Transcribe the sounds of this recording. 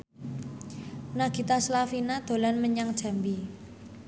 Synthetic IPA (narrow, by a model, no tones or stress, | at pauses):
naɡ̥i̤t̪aslafinad̪̥o̤lanməɲaŋd̥ʒ̥a̤mbi